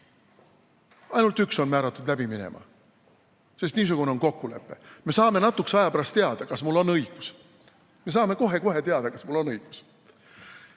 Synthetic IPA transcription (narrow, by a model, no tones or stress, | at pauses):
ɑjnult̪ykso̞nmæːɾɑt̪ːˑud̪læb̥iminḛmɑ̰ | se̞st̪niːs̬uɡ̥une̞o̞nko̞kːule̞̰pːe̞me̞sɑːme̞nɑt̪ːˑuksɑjɑpæɾɑst̪t̪eɑd̪̥ɑkɑsmulːo̞nɤjɡ̥us | mes̬ɑːme̞ko̞ɦe̞ko̞ɦe̞t̪e̞ɑd̪̥ɑkɑsmulːo̞nɤjɡ̥u̥s